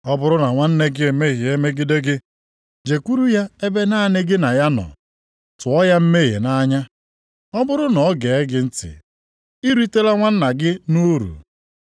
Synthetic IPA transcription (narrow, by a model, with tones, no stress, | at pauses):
ɔ˦bʊ˦ɾʊ˦na˨ŋʷa˦n̩˦ne˦ɡɪ˦e˨me˦ɣi˨e˦me˦ɡɪ˦de˦ɡɪ˦ | d͡ʒe˨kʷu˦ɾu˦ja˦e˦be˦na˦a˨nɪ˦ɡɪ˦na˨ja˦nɔ̰˨ | tʊ˨ɔ˦ja˦m̩˦me˦ɣḛ˨na˦ɲa˦ | ɔ˦bʊ˦ɾʊ˦nɔ˨ɔ˦ɡe˨e˦ɡɪ˦n̩˦tɪ̰˨ | i˦ɾu˦i˦te˦la˦ŋʷa˦n̩˦na˨ɡɪ˦nu˦ɾṵ˨